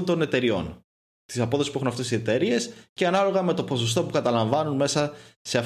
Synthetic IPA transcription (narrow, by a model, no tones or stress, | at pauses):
nd̪o̞ne̞t̪e̞ɾio̞̰n | t̪isɐpo̞ðoispue̞xunɐft̪e̞sise̞t̪e̞ɾie̞sceɐnɐlo̞ɣɐme̞t̪o̞po̞sost̪o̞pukɐt̪ɐlɐɱvɐnunme̞sɐse̞ɐf